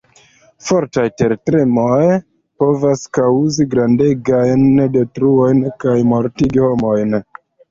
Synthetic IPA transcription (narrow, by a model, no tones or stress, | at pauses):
fo̞ɾtajte̞ɾtɾemoj | po̞vaskawuziɡɾande̞ɡajnde̞tɾuo̞jnkajmo̞ɾtiɡiho̞mo̞jn